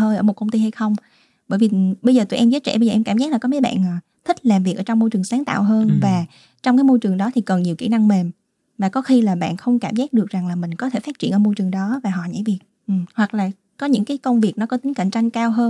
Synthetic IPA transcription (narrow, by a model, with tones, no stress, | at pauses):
ɦəː˧jʔəː˧˩mo˨˩t̚kə˧wŋ͡mt̪i˧ha˧jxə˧wŋ͡m | ɓəː˧˩jvi˨˩˨ɓə˧jzəː˨˩t̪u˧˩˨ʔɛ˧mzəː˨˦˥t̚t͡ɕɛ̰˧˩ɓə˧jzəː˨˩˨ɛ˧mkaː˧˩mzaː˦˥k̚laː˨˩kɔ˨˦me˨˦jɓa̰ː˧˨nʔə˨˩ | t̪ʰi˦˥k̟̚laː˨˩mvi˨˩k̚ʔːt͡ɕwŋ͡mːo˧jt͡ɕɨ˨˩əŋsaː˨˦ŋt̪a̰ː˧˨wɦəː˧nvaː˨˩ | t͡ɕɔ˧wŋ͡mkaː˨˦jmo˧jt͡ɕɨ˨˩əŋɗɔ˨˦t̪ʰi˨˩kə˨˩nɲi˨˩əwki˧˩na˧ŋme˨˩m | vaː˨˩kɔ˨˦xi˧laː˨˩ɓa̰ː˧˨nxə˧wŋ͡mkaː˧˩mzaː˦˥k̚ɗɨ˨˩ək̚za˨˩ŋlaː˨˩mï˨˩ŋ̟kɔ˨˦t̪ʰe˧˩faː˦˥t̚t͡ɕḭ˧˩ənʔəː˧˩mo˧jt͡ɕɨ˨˩əŋɗɔ˨˦vaː˨˩ɦɔ̰˧˨ɲa̰ː˧˥˩jvi˨˩k̚ | ʔɨ˨˩hwa˨˩k̚laː˨˩ | kɔ˨˦ɲɨ̰˧˥ŋkaː˨˦jkə˧wŋ͡mvi˨˩ək̚nɔ˨˦kɔ˨˦t̪ï˨˦ŋ̟kə̰˧˨nt͡ɕa˧jŋkaː˧wɦəː˧n